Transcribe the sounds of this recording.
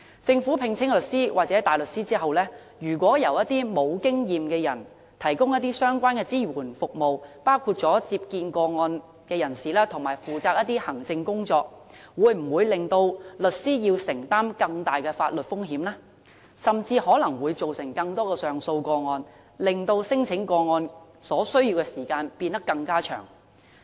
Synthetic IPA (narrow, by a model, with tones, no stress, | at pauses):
t͡sɪ˧ŋfu˨˥pʰɪ˨˧ŋt͡sʰɪ˥ŋlɵ˨t̚siː˥waː˨k̚t͡sɛ˨˥t̪aː˨˩jlɵ˨t̚siː˥t͡siː˥ɦɐ˨wlɛː˥ | jyː˨˩kʷwʷɔː˨˥jɐ˨˩wjɐ˥t̚t̪iː˥mo˨˧wkɪ˥ŋjiː˨mkɛː˧jɐ˨˩n | t̪ʰɐ˨˩jkʊ˥ŋjɐ˥t̪̚iː˥sœː˥ŋkʷwaː˥nkɛː˧t͡siː˥wuː˨˩nfʊ˨k̚mo˨wpaː˥wkʰuː˧t̚t͡sɔː˨˥t͡siː˧p̚kiː˧nkɔː˧ŋɔː˧n | kɛː˧jɐ˨˩nsiː˨lɛː˥t̪ʰʊ˨˩ŋmaː˨˩jfuː˨˩t͡saː˧k̚jɐ˥t̪iː˥hɐ˨˩ŋt͡sɪ˧ŋkʊ˥ŋt͡sɔː˧k̚ | wuː˨˧jm̩˨˩wuː˨˧jlɪ˨ŋt̪o˧wlɵ˨t̚siː˥jiː˧wsɪ˨˩ŋt̪aː˥mkɐ˧ŋt̪aː˨jkɛː˧faː˧t̚lɵ˨t̚fʊ˥ŋɦiː˨˥mlaː˥ | sɐ˨mt͡siː˧hɔː˨˥lɐ˨˩ŋwuː˨˧jt͡so˨wsɪ˨˩ŋkɐ˧ŋt̪ɔː˥kɛː˧sœː˨ŋso˧wkɔː˧ŋɔː˧n | lɪ˨ŋt̪o˧wsɪ˥ŋt͡sʰɪ˨˥ŋkɔː˧ŋɔː˧nsɔː˨˥sɵ˥ɥjiː˧wkɛː˧siː˨˩kaː˧npiː˧nt̪ɐ˥kːɐ˧ŋkaː˥t͡ʃʰœ̰ː˨˩ŋ